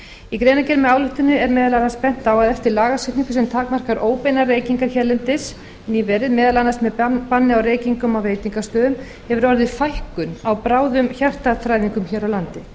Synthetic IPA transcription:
ikɾeːjnacɛɾʏmɛaːwlʏht̪ʏnʏɛɾmɛːðalanaspɛn̥t̪awaðɛft̪ɪɾlaːɣasɛt̪niŋkʏsɛmt̪ʰaːkmar̥kaɾʔoːwpejnareːjciŋkaɾ̥çɛɾlɛnt̪ɪs | niːvɛːɾɪðmɛːðalanːasmɛðpanːɪawreːjciŋkʏmawɾeːjt̪iŋkast̪œːðʏm | hɛvʏɾɔɾðɪðfajhkʏnawpɾaːwðʏmçar̥t̪aθɾajðiŋkʏmçɛɾawlant̪ɪ

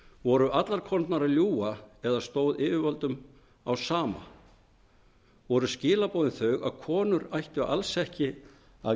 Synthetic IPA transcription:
vɔɾʏʔat̪laɾ̥kʰɔnt̪naɾaljuːaɛðast̪oːwðɪːʏvalt̪ʏm | awsaːma̰ | vɔɾʏscɪːlapoːðɪnθœɥɣaðkʰɔːnʏɾajht̪ʏʔa̰lsɛhcɪ | a̰

